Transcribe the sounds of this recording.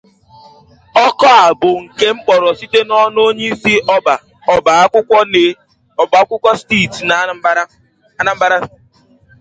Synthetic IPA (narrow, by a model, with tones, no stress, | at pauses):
ɔ˦kɔ˦a˨bʊ˨ŋ̩˨ke˦ŋ͡m̩˦k͡pɔ˨ɾɔ˨si˦te˦nɔ˦n˦o˦ɲe˦i˦si˦ɔ˦ba˨ | ɔ˨ba˨a˦kʷʊ˦kʷɔ˦ne˦ | ɔ˨ba˨a˦kʷʊ˦kʷɔ˦sti˦˨tna˨˦ | na˨m̩˦ba˦a˦